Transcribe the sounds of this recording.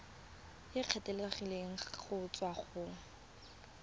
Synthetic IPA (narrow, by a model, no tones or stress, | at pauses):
jɪq͡χʰɛtʼeleχileŋ̩χʊt͡sʼwaχʊ